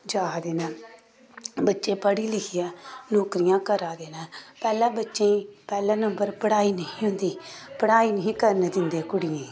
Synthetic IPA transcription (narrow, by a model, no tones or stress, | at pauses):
d͡ʒaːd̪eːnaː | bətːʃeːpəɽiːlɪkʰijãːnoːkɾɪjãːkəɾaːd̪eːnaːpɛːlãːbətːʃẽiːpɛːlãːnəmbəɾpəɽaːiːnəĩːɦʊ̃nd̪iːpəɽaːiːnəɦĩːkəɾned̪ɪnd̪eːkʊɽɪjẽː